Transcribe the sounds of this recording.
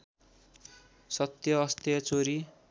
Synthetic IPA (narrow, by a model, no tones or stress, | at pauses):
sʌt̪jʌːst̪jʌt͡soɾi